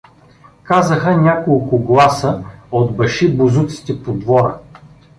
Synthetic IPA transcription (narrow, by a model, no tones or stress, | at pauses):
kazəxənʲakolˠkʊɡlˠasəod̪bɐʃibʊzut̪si̥t̪ɛpod̪vɔɾə